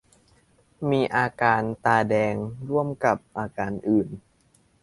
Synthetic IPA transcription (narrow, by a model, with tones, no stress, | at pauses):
miː˧ʔaː˧kaː˧nt̪aː˧dɛː˧ŋɾu˥˩əmka˨˩p̚ʔaː˧kaː˧nʔɯː˨˩n